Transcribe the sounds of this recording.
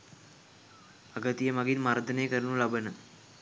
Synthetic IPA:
aɡət̪ijəmaɡinmaɾd̪ənejkəɾənulabənə

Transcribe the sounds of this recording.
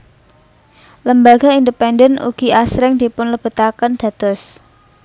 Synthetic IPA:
ləmbaɡ̥aind̪əpɛndənṵɡ̥i̤ʔasɾɪŋd̪̥i̤pʊnləb̥ṳt̪akənd̪̥ä̤d̪̥ɔs

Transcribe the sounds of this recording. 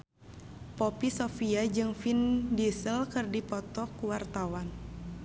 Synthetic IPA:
popisofiad͡ʒɨŋfindisəlkɨrdipɔt̪ɔkuwart̪awan

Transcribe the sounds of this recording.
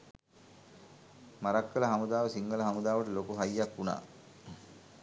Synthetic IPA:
maɾakːələɦamud̪aːʋəsiŋɡələɦamud̪aːʋəʈəlokuɦajːakːuna̰ː

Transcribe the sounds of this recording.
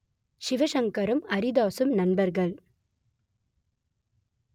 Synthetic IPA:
ʃɪʋɐʃɐŋkɐɾɐmɐɾid̪aːsɯmnɐnbɐɾɣɐɭ

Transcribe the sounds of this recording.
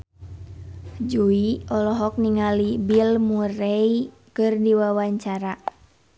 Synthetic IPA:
d͡ʒuiɔlɔɦɔk̚niŋalibilmurɛi | kɨrdiwawaɲt͡ʃaɾa

